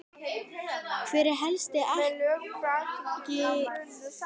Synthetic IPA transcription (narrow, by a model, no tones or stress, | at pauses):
kʰvɪɾɪɾɦɛlst̪ɪʔalœkɾacɪ